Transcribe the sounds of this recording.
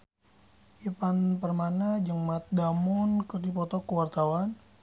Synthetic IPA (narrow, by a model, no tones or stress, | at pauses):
ipanpərmanad͡ʒəŋmat̪̚damʊnkədipɔt̪ɔkəwart̪awan